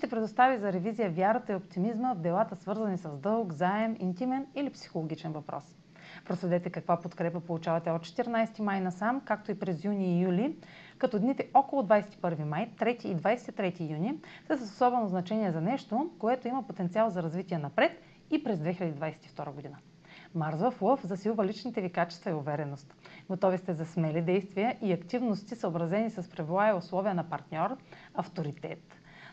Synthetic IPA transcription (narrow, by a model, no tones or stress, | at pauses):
ʃt̪ɛpɾɛd̪ost̪avizɐɾɛvizijəvʲjaɾət̪əiopt̪imizməvd̪ɛlˠat̪əsvɤɾzɐnisɐzd̪ɤlˠkzaɛmḭnt̪imɛnilipsi̥xolˠoɡʲit͡ʃɛnvɐpɾɔ̰s | pɾosvɛd̪ɛt̪ɛkɐkvapot̪kɾɛpəpolˠut͡ʃavɐt̪ɛot̪t͡ʃɛ̥t̪iɾnajsɛ̥t̪imajnɐsamkak̚t̪oipɾɛzjuniːjulʲi | kɐt̪ɔd̪nit̪ɛʔɔkolˠod̪vajsɛ̥t̪i̥pɤɾvimajt̪ɾɛt̪iːd̪vajsɛ̥t̪it̪ɾɛt̪iːjunisəsəsosɔbɛnoznɐt͡ʃɛniɛzɐnɛʃt̪okoɛt̪oimɐpot̪ɛnt̪sialˠzɐɾɐzvit̪iɛnɐpɾɛt̪ | ipɾɛzd̪vɛxilʲɐd̪id̪vajsɛ̥t̪i̥ft̪ɔɾəɡod̪inə | maɾzvəflˠəfzɐsilˠvɐlit͡ʃnit̪ɛvikat͡ʃɛ̥st̪vɐiʊvɛɾɛnost̪ɡot̪ɔvist̪ɛzɐsmɛlid̪ɛjst̪vijəʔiɐkt̪ivnost̪isəobɾɐzɛnisɐspɾɛvlˠaɛʊslˠɔvijənɐpɐɾt̪nʲɔɾɐft̪oɾit̪ɛt̪